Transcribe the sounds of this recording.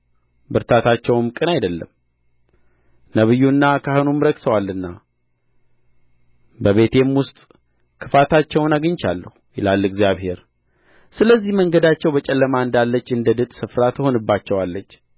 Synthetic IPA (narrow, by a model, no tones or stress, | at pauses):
bɨɾt̪ʰat̪ʰat͡ʃːɛwmkʼɨnajd̪əlːə̰m | nəβɨjːunːakʰahɨnumɾəksəwalːɨnːa | bəβe̞t̪ʰe̞mwʊst̪ʼ | kʰɨfat̪ʰat͡ʃːɛwnaɡɨɲt͡ʃa̰lːəhujɪ̰lalːɨɡzijaβhe̞ɾ | sɨləzːihməŋɡəd̪at͡ʃːɛwbət͡ʃʼɛlːəmaɨnd̪alːət͡ʃːɨnd̪əd̪ɨt̪ʼsɨfɾat̪ʰəho̞nɨbːat͡ʃːɛwalːət͡ʃː